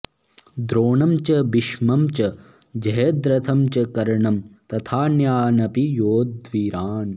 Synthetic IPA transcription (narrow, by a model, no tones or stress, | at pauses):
d̪ɾoːɳɐmt͡ʃɐbiʃmɐmt͡ʃɐ | d͡ʒɐɦɐd̪ɾɐt̪ʰɐmt͡ʃɐkɐɾɳɐmt̪ɐt̪ʰaːnjaːnɐpijoːd̪ʋiːɾaːn